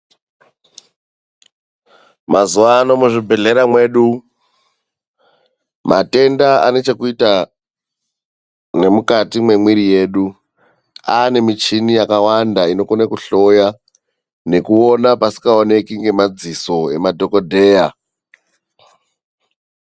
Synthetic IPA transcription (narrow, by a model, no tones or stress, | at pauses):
mazuʋaːno̞muʐibʱe̞ɮe̞ɾamwe̞ɗu | mate̞ndaa̰ne̞t͡ʃe̞kuita | ne̞mukatimwe̞mwiɾije̞ːɗu | aːne̞mit͡ʃinijakawandaino̞konekuɬo̞ja | ne̞kuo̞napasi̥kaone̞kiŋɡe̞mad͡ziso̞e̞madʱo̞ko̞dʱe̞ːja